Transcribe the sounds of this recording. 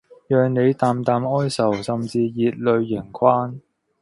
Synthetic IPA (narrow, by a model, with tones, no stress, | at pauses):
jœː˨ŋne˨˧jt̪aː˨˧mt̪aː˨mɔː˥jsɐ˨˩wsɐ˨˩mt͡siː˧jiː˨˧t̚lɵ˨˧ɥːɪ˨˩ŋkʷʰwaː˥n